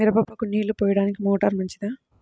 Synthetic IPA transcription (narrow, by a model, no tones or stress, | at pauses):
iɾɐbɐpːɐkuniːɭupɔːjɐɽaːnikimoːʈɐɾmɐɲt͡ʃid̪aː